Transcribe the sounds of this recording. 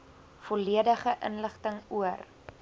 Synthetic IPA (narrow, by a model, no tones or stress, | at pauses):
foliədəχəʔə̰nləχtəŋuər